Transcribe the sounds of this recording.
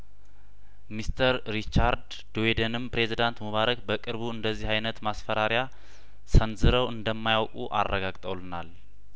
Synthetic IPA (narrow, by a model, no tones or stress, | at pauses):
mist̪ʰəɾːit͡ʃːaɾd̪ | d̪oed̪ənɨmpɾe̞zid̪ant̪məβaɾəkʼbəkʼɨɾβuɨnd̪əzːihajnət̪masfəɾaɾja | sənzɨɾəwʔɨnd̪əmːajawkʼṵʔa̰rːəɡaɡt̪ʼəwlɨnal